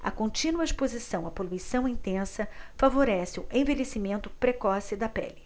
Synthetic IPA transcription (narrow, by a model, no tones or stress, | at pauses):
ɐ̰kõnt͡ʃĩnuɐispozisɐ̃w̃ɐpoluisɐ̃w̃ĩnt̪ẽsɐfavoɾɛsɪʊʔẽvelesimẽnt̪ʊpɾekɔsɪd̪ɐpɛ̰lɪ